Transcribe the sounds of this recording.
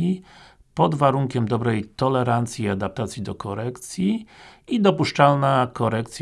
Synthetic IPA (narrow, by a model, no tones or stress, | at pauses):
i | pɔd̪vaɾuŋkʲɛmd̪ɔbɾɛjt̪ɔlɛɾant̪sʲjiad̪ap̚t̪at̪sʲjid̪ɔkɔɾɛkt̪sʲjiid̪ɔpuʂt͡ʂalnakɔɾɛkt̪sʲ